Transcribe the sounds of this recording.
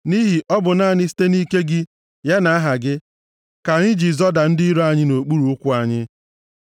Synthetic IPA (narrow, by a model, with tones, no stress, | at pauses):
ni˦ɦi˨ʔɔ˦bʊ˨na˦˨ɲɪ˦si̥˦te˦ni˦ke˦ɡɪ˦ | ja˦na˨a˦ɦa˨ɡɪ˦ | ka˨ɲɪ˦d͡ʒi˨zɔ˦da˨n̩˦dɪ˦i˦ɾo˦a˦ɲɪ˦no˨k͡pu˦ɾu˨ʊ˦kʷu˦a˨ɲɪ˦